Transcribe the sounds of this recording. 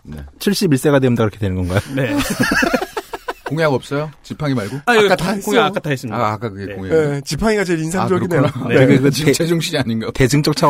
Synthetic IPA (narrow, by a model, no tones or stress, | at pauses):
nḛt͡ɕʰiɭɕ͈ibiɭs͈e̞ɡadeundakɯɾʌkʰedwenɯnɡʌnɡajone̞ | koŋeaɡʌp̚s͈ʌjot͡ɕipʰaŋimaɭɡoatʰakoŋeak͈atʰaɦes͈ɯmɲaak͈akɯɡeeoŋeet͡ɕipʰaŋiɡat͡ɕeɾinsʰad͡ʑoɾineneekɯkɯt͡ɕʰed͡ʑuŋɕʰid͡ʑiaɲinɡate̞d͡ʑɯŋt͡ɕ͈ʌk̚t͡ɕʰa